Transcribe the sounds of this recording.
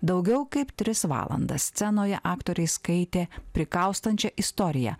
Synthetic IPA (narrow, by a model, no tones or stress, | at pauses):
d̪ɐʊɡʲɛʊkɐɪpt̪ʲɾʲɪsʋɑ̰ːlˠɐ̰nd̪ɐsʲsʲt̪ʲɛnoːjɛ̰ʔɑːkt̪oːɾʲɛɪskɐɪt̪ʲeːpʲɾʲɪkɐʊst̪ɐnʲt͡ʃʲɛʔɪst̪ɔɾʲɪjɛ̰